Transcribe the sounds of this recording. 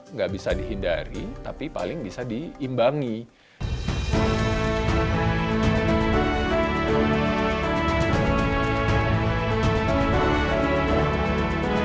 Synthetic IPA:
ŋɡaʔbisadiɦindaɾit̪apipa̰lɪŋbisadiːmbaŋi

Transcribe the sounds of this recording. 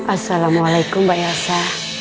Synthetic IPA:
asalamwalajkumbajasa

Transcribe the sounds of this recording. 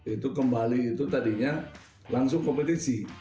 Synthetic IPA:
it̪ukəmbaliːt̪ut̪adiɲa | laŋsʊŋkompət̪isi

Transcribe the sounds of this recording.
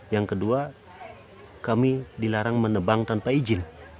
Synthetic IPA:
jaŋkədua | kamidilaɾaŋmənəbaŋt̪anpaid͡ʒɪn

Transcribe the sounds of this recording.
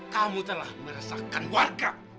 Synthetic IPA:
kamut̪əlahməɾasakanwarɡa

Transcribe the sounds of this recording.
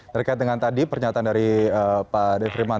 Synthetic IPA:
t̪ərkait̪̚dəŋant̪adipərɲat̪andaɾiəpadɛfɾiman

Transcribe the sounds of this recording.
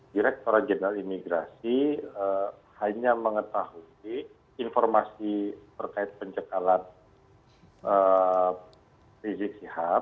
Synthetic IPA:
diɾɛk̚t̪oɾat̪̚d͡ʒənəɾalimiɡɾasiəhaɲaməŋət̪aɦu | i | infɔrmasit̪ərkaɪt̪̚pəɲd͡ʒəkalan | ə | fizɪk̚siha

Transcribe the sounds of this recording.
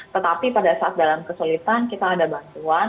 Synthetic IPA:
t̪ət̪apipadasaat̪̚dalamkəsulit̪ankit̪aːdabant̪uan

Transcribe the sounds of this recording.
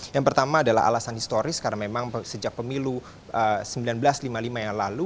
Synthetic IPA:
jaŋpərt̪amaːdala̰a̰lasanhist̪oɾɪskaɾnamemaŋsəd͡ʒak̚pəmilu | ʔəsəmbilanbəlaslimalimajaŋlalu

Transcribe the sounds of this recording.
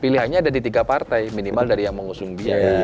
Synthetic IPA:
piliɦanɲaːdadit̪iɡapart̪ajminimaldaɾijaŋməŋusʊŋdia

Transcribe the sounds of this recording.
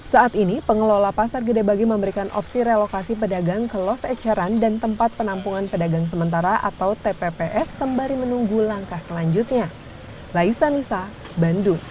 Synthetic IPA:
saːt̪inipəŋəlolapasarɡədabaɡiməmbəɾikanʔɔ̰psiɾelokasip̬ədaɡaŋkəlɔsɛt͡ʃəɾandant̪əmpat̪̚pənampuŋanpədaɡaŋs̬əmənt̪aɾaʔa̰t̪awt̪epepeʔɛsːəmbaɾimənuŋɡulaŋkahsəlaɲd͡ʒut̪̚ɲa | laisanisa | bandu

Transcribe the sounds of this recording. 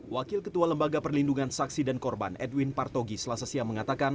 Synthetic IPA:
wakɪlkət̪ualəmbaɡapərlinduŋansaksidankɔrba̰nʔɛ̰dwinpart̪oɡisəlasasiaməŋat̪akan

